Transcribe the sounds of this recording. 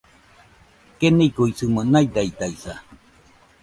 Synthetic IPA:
kenikuisɯmənajd̪ait̪aisa

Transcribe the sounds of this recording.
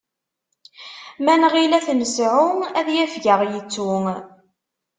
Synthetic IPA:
mænʁilæθnəsʕuŋæðjæfʝəʁjət͡sːuŋ

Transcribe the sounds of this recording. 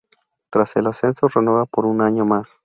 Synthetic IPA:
t̪ɾase̞lase̞nsorenoβapoɾunaɲo̞mas

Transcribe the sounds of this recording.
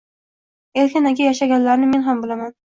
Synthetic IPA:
elkʰʲanakʲajaʃaɡʲanlaɾnɪme̞nɦambɪlaman

